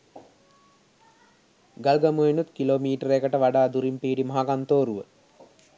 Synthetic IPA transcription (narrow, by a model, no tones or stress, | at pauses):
ɡalɡamuenut̪kiloːmiːʈəɾekəʈəʋaɖaːd̪uɾimpiːɖimaɦakant̪oːɾuʋə